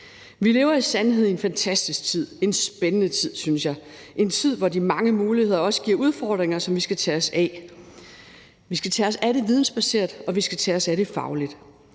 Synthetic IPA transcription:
ʋile̝ːʊɐisænɦeð̰ˠie̝nfænt͡sʰæsd̥isɡ̥̚t͡sʰið̞̰ˠe̝nsb̥enənət͡sʰið̰ˠsynsjɑ̈ɪ | ʔe̝nt͡sʰið̞̰ˠʋɒdimɑ̈ŋəmuːlihe̝ð̞̰ˠɐɒ̽sə̥ɡ̥iɐ̰ʔuð̞ˠfɒːd̥ʁeŋɐsɒ̽mʋisɡ̥æt͡sʰɛɒsɛ | ʋisɡ̥æt͡sʰɛːɒ̽sæɾe̝ʋið̞ˠn̩sb̥æse̝ɐ̰d̥ɒ̽ʋisɡ̥æt͡sʰɛːɒ̽sæɾe̝fɑ̈ʊlid̥

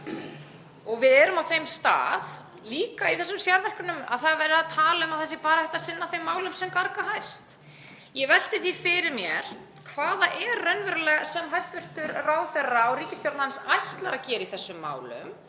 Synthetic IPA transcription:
ɔɣvɪðɛːɾʏmawθejmst̪a̰ːð | liːkaiθɛsːʏmsjaɾvɛl̥kʏnʏma̰ðθaðvaɾɪaðt̪ʰaːlʏmawθɛsːɪpaːɾahɛht̪asɪnːaθejmːaːwlʏmsɛmkaɾkaɦajst̪ | jɛvɛl̥t̪ɪθifɪɾɪɾmjɛɾ̥ | kʰvaːðaʔɛrːœnvɛɾʏlɛɣasɛmɦajst̪vɪr̥t̪ʏɾraːwθɛrːaawɾiːcɪst̪jɔwɾt̪naansajht̪laɾacɛːɾɪiθɛsːʏmːa̰ːwlʏ̰m

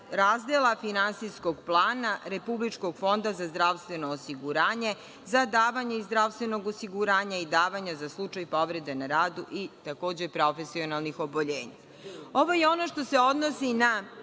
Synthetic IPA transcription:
ɾaːzd̪elˠafinansiskoɡplˠaːnaɾe̞publit͡ʃko̞ɡ̥fo̞nd̪azazd̪ɾaʋst̪ʋe̞no̞ːsiɡuɾaːɲe̞ | zad̪aːʋaɲeizd̪ɾaʋst̪ʋe̞no̞ɡosiɡuɾaːɲaid̪aːʋaɲazaslˠut͡ʃajpo̞ʋɾed̪enaɾaːd̪uʔit̪ako̞ːd͡ʑepɾo̞fesio̞nalˠnixo̞boʎeːɲa̰ | o̞ʋo̞jeo̞no̞ʃt̪o̞seo̞d̪nosina

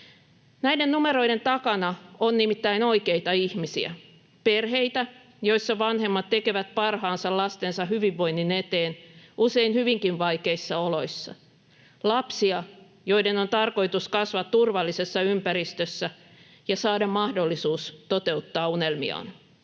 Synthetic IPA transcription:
næjdennumeɾo̞jde̞nt̪ɑkɑnɑonːnimit̪ːæino̞ikeit̪ɑihmisḭæ̰ | perɦe̞it̪æ | jo̞isːɑʋɑnɦe̞mːɑt̪t̪ːe̞ke̞ʋæt̪̚pɑrhɑːnsɑllɑst̪ensɑhyʋiʋːo̞jnːine̞t̪eːnʔuse̞inhyʋiŋkinʋɑjke̞isːɑolo̞isːɑ̰ | lɑpsiɑ | jo̞ide̞no̞nt̪ɑrko̞it̪uskɑsʋɑt̪t̪urʋɑlːise̞sːɑympæɾist̪øsːæ | jɑsɑːdɑmmːɑhdo̞lːisuːst̪o̞t̪e̞ut̪ːɑːune̞lmḭɑ̰ːn

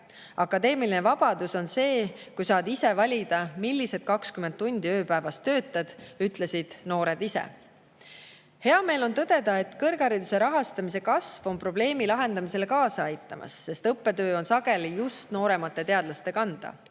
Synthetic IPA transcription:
ɑkːˑɑd̪e̞ːmiline̞vɑb̥ɑd̪uso̞nse̞ːkujsɑːd̪ise̞vɑlʲid̪ɑmilːise̞d̪̥̚kɑkskyment̪t̪ːunʲd̪̥iø̞ːpævɑst̪ø̞ːt̪ːˑɑd̪̥yt̪ˑle̞sid̪̥no̞ːɾe̞d̪isḛ | he̞ɑme̞ːlo̞nt̪ɤd̪̥e̞d̪̥ɑe̞t̪ːˑkɤrɡ̥ɑɾid̪use̞ɾɑɦɑst̪ɑmise̞kɑsvo̞mpro̞ble̞ːmilɑɦe̞nd̪̥ɑmise̞lekɑːsɑɑjt̪ːˑɑmɑ̰sːe̞st̪ɤpːe̞t̪ø̞ːo̞nsɑɡ̥e̞lijust̪no̞ːɾe̞mɑt̪ːˑe̞t̪e̞ɑd̪lɑst̪e̞kɑnd̪̥ɑ̰

